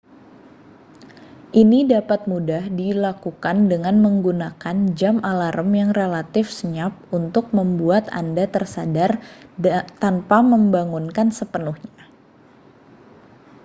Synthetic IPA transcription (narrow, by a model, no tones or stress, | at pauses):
ʔinidapat̪̚mudahdilakukandəŋanməŋɡunakand͡ʒamalaɾʔəmjaŋrelat̪ɪfsəɲap̚unt̪ʊk̚məmbuat̪a̰ndat̪ərsadar | t̪anpaməmbaŋunkansəpənuhɲa